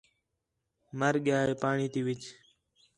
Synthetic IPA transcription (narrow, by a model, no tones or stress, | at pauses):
məɾɠjaːeːpaːɳiːt̪iːʋɪt͡ʃ